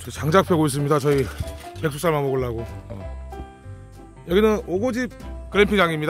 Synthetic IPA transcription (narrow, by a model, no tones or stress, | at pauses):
t͡ɕʌt͡ɕaŋd͡ʑak̚pʰeɡois̬͈ɯmɲidat͡ɕʌipeks͈ʰus͈ʰaɭmanmoɡɯɭːaɡo̰ | jʌɡinɯnoɡod͡ʑip̚kɯɾempʰiŋd͡ʑaŋimɲida